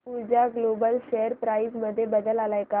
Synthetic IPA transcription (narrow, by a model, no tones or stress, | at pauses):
puɾd͡ʑaɡlobəlɕejəɾpɾaizməd̪ʱːjebəd̪əlalajka